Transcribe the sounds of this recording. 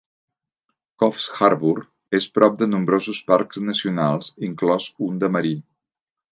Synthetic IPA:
kɔfsxaɾβuɾ | espɾɔp̚d̪ənumbɾozuspaɾkznəsiunalˠziŋklɔzund̪əməɾi

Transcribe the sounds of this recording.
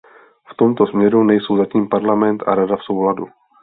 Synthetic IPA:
ft̪o̞mt̪o̞smɲɛɾunɛjso̞wzaciːmpaɾlamɛnt̪ʔa̰ɾadafso̞wladu

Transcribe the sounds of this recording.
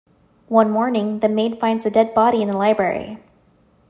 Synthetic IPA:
wʌ̃nmɔɹnɪ̃ŋðɨmeɪd̥fãɪ̃ndzɨdɛd̚bɑɾiɨ̃nðəlaɪbɹɛ̰ɹḭ

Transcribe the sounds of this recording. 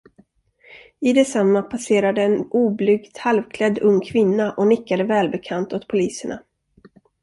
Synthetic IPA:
ɪd̪ɛsamːapʰaseːɾad̪əːnuːblʏɡt̪halvkʰlɛd̪ːɵŋːkʰvɪnːaʔɔnɪkːad̪əvɛːlbɛkʰant̪ɔt̪pʰʊliːsəɳa̰

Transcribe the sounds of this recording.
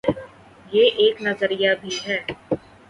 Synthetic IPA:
jeːʔeːknɐzəɾijabʱiɦɛː

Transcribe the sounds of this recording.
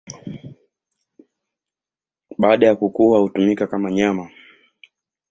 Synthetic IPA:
ɓaːɗajakukuwahutumikakamaɲama

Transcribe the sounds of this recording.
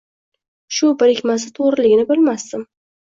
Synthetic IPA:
ʃʊbɪɾɪkʲmas̬ɪt̪ʰoʁɾɪlɪɡʲɪnɪbɪlmasd̪ɪm

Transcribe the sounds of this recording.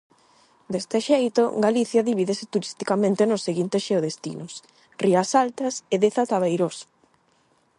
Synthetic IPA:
d̪est̪eʃejt̪oɡaliθjaðiβiðesɪt̪uɾist̪ikamẽnt̪enʊsːeɣint̪esʃeoðest̪ḭnos | riasalt̪ɐseðeθat̪aβejɾos

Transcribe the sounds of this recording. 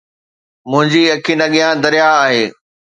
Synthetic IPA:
mʊ̃ɦɪ̃ɲd͡ʑiɐkʰinɐɠijãd̪ɐɾijaːɦeː

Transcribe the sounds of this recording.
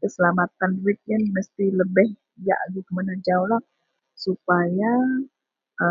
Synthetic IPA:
kəsəlamat̪anwit̪̚jənməst̪iləbɪh | ja̰ʔɡik̪əmanad͡ʒaulah | supaja | ʔə

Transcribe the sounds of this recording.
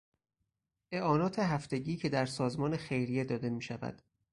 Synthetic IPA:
ʔe̞ʔɒːnɒːt̪ʰe̞ɦæft̪e̞ɟiːcʰe̞d̪æɾsɒːzmɒːnexe̞jɾijed̪ɒːd̪e̞miːʃævæ̰d̪̥

